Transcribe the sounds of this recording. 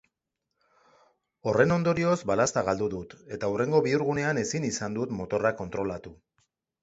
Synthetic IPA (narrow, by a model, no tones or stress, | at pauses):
o̞re̞no̞nd̪o̞ɾio̞zbalast̪aɣald̪uðut̪e̞t̪aure̞ŋɡo̞βiuɾɣune̞ane̞sinisand̪ut̪mo̞t̪o̞rako̞nt̪ɾo̞lat̪u